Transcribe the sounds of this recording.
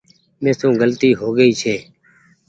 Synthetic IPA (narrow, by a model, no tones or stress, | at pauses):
mẽːsũːɡəlt̪iːɦoːɡəiːt͡ʃʰeː